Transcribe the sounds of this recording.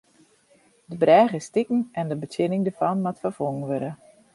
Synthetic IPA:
dəbrɛːɣəstɪkn̩ɛndəbətjɪnɪŋdəɹfɑnmatfərfoŋənʋøɾə

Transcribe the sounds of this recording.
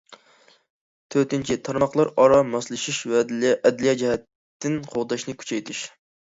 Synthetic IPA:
t̪ʰøɾt̪ɪnt͡ʃʰit̪ʰɑɾmɑχlˠɑɾɑɾɑmɑslˠɨʃiʃwɛɛd̪lijɛd͡ʒɛhɛt̪ː | ɪnqʰoʁd̪ɑʃnɨkʲʰy̥t͡ʃʰɛjt̪ʰɪʃ

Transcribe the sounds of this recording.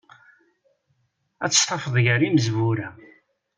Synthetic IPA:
æt͡sːə̥st̪ˤɑfəðˤʝəɾiməzvuɾæ

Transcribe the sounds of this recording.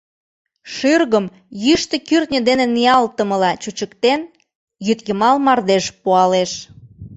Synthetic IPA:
ʃyrɣəm | jyʃt̪ə̆kyrt̪nʲə̆d̪eneniɑlt̪əməlɑt͡ɕut͡ɕəkt̪en | jyt̪jəmɑlmɑrd̪eʃpuɑleʃ

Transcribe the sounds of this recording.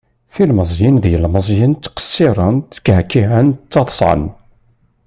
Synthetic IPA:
θilməzˤjinðjəlməzˤjənt͡s̪ːqə̥sːiɾˤənt̪ːə̥khkːiɦənt͡s̪ːɑðˤsˤʕə̰n

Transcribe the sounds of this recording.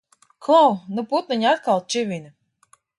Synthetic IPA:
klˠawnuput̪niɲat̪kalˠt͡ʃivʲinʲɨ

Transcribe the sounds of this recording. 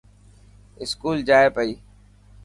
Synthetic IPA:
ɪskuːld͡ʒaːepəiː

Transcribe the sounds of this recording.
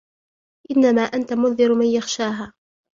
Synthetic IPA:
ʔɪnːamaːʔant̪amʊnðɪɾmanjaxʃaːɦaː

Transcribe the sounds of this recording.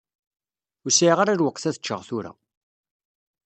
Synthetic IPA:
ʊɾsiʁaɾæɾwəqːθæθə̥t͡ʃːə̰ʁθuɾæ̰

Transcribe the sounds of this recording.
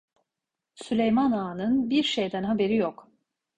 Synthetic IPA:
sylʲejmanaːnɯnbiɾʃe̞jd̪ænɦabe̞ɾijok

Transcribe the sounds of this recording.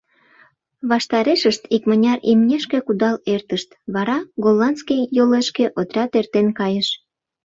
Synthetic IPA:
βɑʃt̪ɑɾeʃəʃt̪ikmənʲɑɾimnʲeʃkekud̪ɑlert̪əʃt̪βɑɾɑɡolːɑnskijjoleʃkeʔot̪rʲɑt̪ert̪enkɑjəʃ

